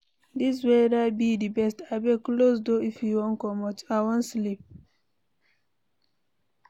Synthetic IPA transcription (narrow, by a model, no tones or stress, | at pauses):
dis̬wedaɪbidibɛstaɪbeklosdoifjiwɔ̃nkɔmɔtawɔ̃nslip̚